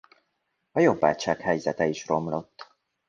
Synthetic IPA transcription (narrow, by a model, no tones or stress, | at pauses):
ɒjo̞bːa̰ːt͡ʃaːkhɛjzɛt̪ɛiʃro̞mlo̞t̪ː